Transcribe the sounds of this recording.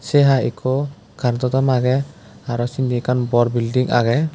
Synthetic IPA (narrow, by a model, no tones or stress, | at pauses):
sɛɦaikʰɔ | kaɾt̪ɔt̪amaɡɛ | aɾɔsind̪ikʰanbɔɾbildiŋʔa̰ɡɛ